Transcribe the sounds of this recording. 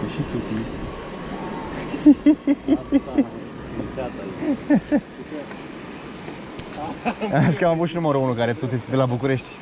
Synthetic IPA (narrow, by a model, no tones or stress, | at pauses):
ʃit̪ut̪i | as̬i̥kamavut̪ʃinuməɾounukaɾet̪ut̪et̪sʲd̪elabukuɾe̞ʃt̪ʲ